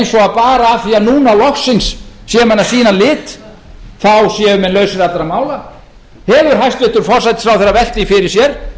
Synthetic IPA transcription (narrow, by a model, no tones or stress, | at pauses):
jnsɔɣaðpaːɾaːθiːaðnuːnalɔxsɪnsːjɛmanːasiːnalɪːt̪ | θawsjɛːʏmɛnlœɥsɪɾat̪laɾamaːwla | hɛːɣʏɾ̥ɦajst̪lvɪht̪ʏɾ̥fɔr̥sajt̪ɪ̥θɾawθɛrːavɛl̥t̪ifɪɾɪɾ̥sjɛɾ̥